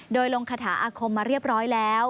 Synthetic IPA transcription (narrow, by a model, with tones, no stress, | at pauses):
doː˧jlo˧ŋkʰaː˧t̪ʰa̰ː˩˦ʔaː˧kʰo˧mːaː˧ɾi˥˩əp̚ɾɔː˦˥jlɛː˦˥w